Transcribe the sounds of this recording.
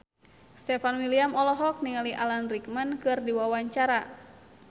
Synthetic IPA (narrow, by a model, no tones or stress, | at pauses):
st̪ɛfanwiliamɔlɔɦɔk̚niŋaliʔalanrik̚mankɨrdiwawaɲt͡ʃaɾa